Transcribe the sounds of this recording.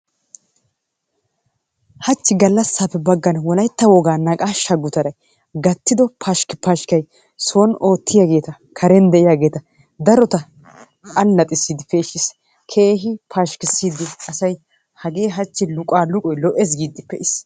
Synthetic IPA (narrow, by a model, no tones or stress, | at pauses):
hɐt͡ʃːɪɡɐlːɐsːaːpːɛbɐɡːɐnwɔlɐjt̪ːɐwɔɡaːnɐkʼaːʃɐɡːʊt̪ɐɾɐj | ɡɐt̪ːɪd̪ɔpʰaʃkɪpaʃkɐj | soːno̞ːt̪ːɪjaːɡe̞ːt̪ɐ | kʰɐɾɛnd̪ɛʔɪjaːɡe̞ːt̪ɐ | d̪ɐɾɔt̪ɐ | ɐlːɐt̪ʼɪsːiːd̪ɪfeːʃɪs | kʰe̞ːɦɪpʰaʃkɪsːiːd̪ɪʔɐsɐj | hɐɡe̞ːɦɐt͡ʃːɪlʊkʼaːlʊkʼɔjlɔʔes̬ɡiːd̪ɪpːɛʔɪs